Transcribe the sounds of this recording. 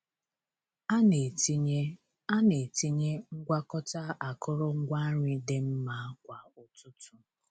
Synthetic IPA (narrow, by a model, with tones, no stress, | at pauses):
a˦ne˨ti˦ɲe˦ | a˦ne˨ti˦ɲe˦ŋ̩˦ɡʷa˦kɔ˦ta˦a˨kʊ˦ɾɔ˦ŋ̩˦ɡʷa˦ɲɪ˨dɪ˨m̩˦ma˦kʷa˨o˨tu˦tu˨